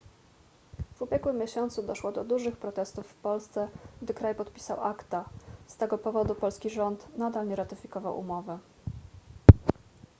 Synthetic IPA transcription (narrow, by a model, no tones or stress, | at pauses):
v̥ubʲjɛɡwɘmʲːjeɕɔnt̪sud̪ɔʂwɔd̪ɔd̪uʐɘxpɾɔt̪ɛst̪ufːpɔlst̪sɛɡd̪ɘkɾajpɔt̪pʲi̥sawʔakt̪ast̪ɛɡɔpɔvɔd̪upɔlskʲiʐɔnt̪nad̪alɲɛɾat̪ɘfʲikɔvawʔṵmɔvɘ